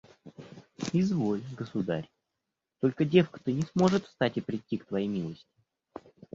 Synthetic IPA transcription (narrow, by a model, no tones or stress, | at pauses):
ɪzvo̞lʲɡəsʊd̪aɾʲ | t̪o̞lʲkədʲe̞fkə̥t̪ɨnʲɪsmo̞ʐɨt̪fst̪atʲɪpɾʲɪtʲːikt̪vɐjejmʲilˠəsʲtʲɪ̥